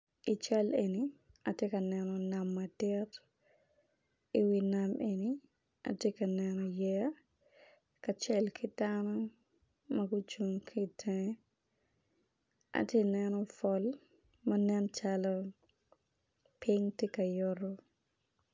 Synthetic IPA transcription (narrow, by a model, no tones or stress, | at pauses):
ʔit͡ʃɛlɛni | atikanɛnɔnamːadɛɾ | ɪwinamʔɛni | a̰tikanɛnɔjɛ | kat͡ʃɛlkʰidanɔ | maɡut͡ʃuŋkʰitʰɛ̃ | ʔa̰tinɛnɔfɔl | manɛnt͡ʃalɔ | pʰiŋtikajɔɾɔ